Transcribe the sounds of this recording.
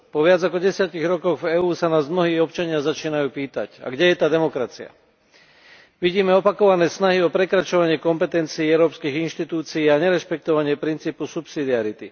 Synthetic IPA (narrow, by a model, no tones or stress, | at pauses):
pɔʋɪad͡zakɔɟɛsɪaciɣɾɔkɔɣvɛːuːsanaːzmnɔɦiːɔpt͡ʃaɲɪazat͡ʃiːnajuːpiːt̪a̰ca̰ɡɟɛjɛt̪aːd̪ɛmɔkɾat͡sia̰ | ʋiɟiːmɛɔpakɔʋanɛːsnaɦiɔpɾɛkɾat͡ʃɔʋaɲɪɛkɔmpɛt̪ɛnt͡siːɛʊɾɔːpskiːɣinʃt̪it̪uːt͡siiːaɲɛɾɛʃpɛk̚t̪ɔʋaɲɪɛpɾint͡siːpusupsid̪iaɾit̪i